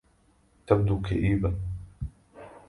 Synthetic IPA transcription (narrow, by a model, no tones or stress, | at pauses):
t̪ab̚d̪uːkaʔiːba